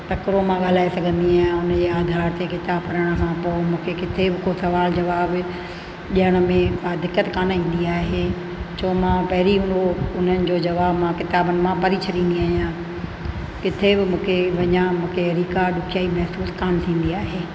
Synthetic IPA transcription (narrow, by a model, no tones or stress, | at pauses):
t̪ɐkɾomãɠal̤aːesɐɡʱə̃nd̪iaːɦjãʊnəd͡ʑeːaːd̪ʱaːɾt̪ekɪt̪aːbkɐɾəɽ̃ə̆kʰãːpomũːkʰekɪt̪ʰebɪkosɐʋaːld͡ʑɐʋaːb | ʄiəɽ̃ə̆mẽkad̪ɪkːət̪kaːnĩːn̆d̪iaːɦeː | t͡ɕʰoːmãpɐɦɪɾiɦũnd̪oʊn̤ənɪ̆d͡ʑoːd͡ʑɐʋaːbmãkɪt̪aːbənɪ̆mãpɐɾit͡ɕʰɐɾĩːnd̪iaːɦijãː | kɪt̪ʰebɪmũːkʰeʋɐɲãmũːkʰeɐɾiːkaɗʊkʰijaːimɛɦsuːskaːmt̪ʰĩːn̆d̪iaːɦeː